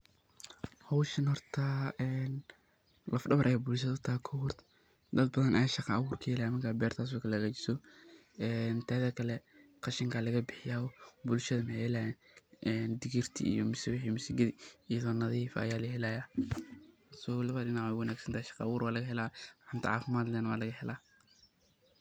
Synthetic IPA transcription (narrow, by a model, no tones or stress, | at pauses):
hɔwʃɐnhɔrt̪ʰaːɛːn | lʔɐfɖɐβɐɾʔɐjaːbʊlʃ̬ɐðɐt̪ʰaːkʰɔhʊrt̪ | d̪ɐd̪bɐðɐnʔɐjaʃɑqɑɐwuːrkʰɐhɛlaːjmɐŋkʰaːbɛːrt̪ʰaːs̬ɔkʰɐlɛɣat͡ʃɪ̥sɔ | ɛːnt̪ʰaːðɐkʰɐlɛqɑʃɪŋkʰaːlɐɣɐbɪħɪjaːɔbʊlʃɐðɐmɐħɛlaːjɛːn | ʔɛːnd̪ɪɣɪrt̪ʰḭʔḭjɔmʊsɛwɪħimʊsɪɡɐðiɪjɐðɔːnɐðiiːfɐ̰jaːlɐhɛlaːjaː | sɔwlɐβaɗɪnaʕɛwɐnaːɡsɐnt̪ʰaːʃɑ̥qɑwuːɾwaːlɐɣɐɦɛlaːħʊnt̪ɐʕɑːfɪmaːd̪lɛːnɐwa̰ːlɐɣɐhɛlaː